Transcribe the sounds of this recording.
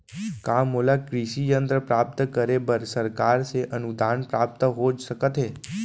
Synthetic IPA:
kamoːlakɾiʃijə̃nt̪ɾəpɾaːp̚t̪kəɾebəɾsəɾkaːɾseʔənʊd̪ʱaːnpɾaːp̚t̪ɦoːd͡ʒsəkət̪ɦeː

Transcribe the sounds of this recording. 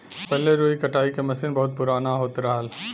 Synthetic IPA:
pɛɦleɾoːikɐʈaːikemɐsɪnbɐɦʊt̪̚pʊɾaːnaɦoːt̪ɾaɦl

